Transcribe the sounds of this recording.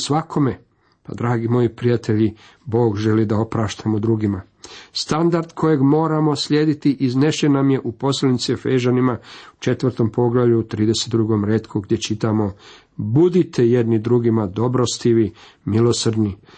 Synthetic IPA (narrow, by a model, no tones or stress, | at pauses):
sʋakʰo̞me̞ | pa̰d̪ɾaːɡimo̞jipɾijat̪ʰe̞ʎi | bo̞ːɡʒe̞lid̪ao̞pɾaːʃt̪amod̪ɾuɡima | st̪and̪aɾd̪kʰo̞je̞ɡmo̞ːɾamo̞sʎe̞ːd̪it̪iʔizne̞ʃenːamje̞ʔupo̞slenit̪sifeʒanimau̥t͡ʃet̪ʋəɾt̪o̞mpʰo̞ɡlaʋʎuut̪ɾiːd̪e̞set̪d̪ɾuɡo̞mɾeːt̪kʰuɡd̪jet͡ʃit̪amo̞ | bud̪it̪ʰe̞je̞d̪nid̪ɾuɡimad̪o̞bɾost̪iʋi | milo̞srd̪ni